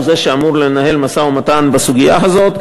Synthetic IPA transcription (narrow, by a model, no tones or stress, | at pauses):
ze̞ʃeamuʁle̞nahe̞lmasaumatanbasuɡija̰ɦazo̞t̪